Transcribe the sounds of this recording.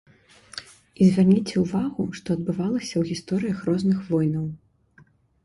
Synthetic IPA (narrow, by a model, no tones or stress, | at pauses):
izʲvʲarnʲit͡sʲɛuvaɣuʂt̪ɔɐd̪̚bɨvalˠɐsʲɐwɣʲist̪ɔɾɨjɐxrɔznɨxvɔjnɐw